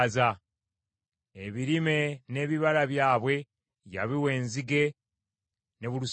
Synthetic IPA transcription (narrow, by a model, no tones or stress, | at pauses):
za | eβiɾime̞ne̞ːβiβalaβjaːβwe̞ | ja̰βiwe̞ːnziɡe̞ | ne̞βulu